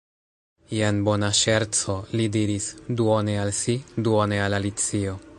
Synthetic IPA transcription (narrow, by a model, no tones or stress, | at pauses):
jenbo̞naʃeɾt͡so̞lidiɾisduonealsiduonealalit͡sio̞